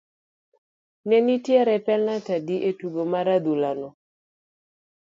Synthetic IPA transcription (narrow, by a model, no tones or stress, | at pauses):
nɛnitjɛɾɛpɛlnatadiʔetuɡomaɾad̪ulanɔ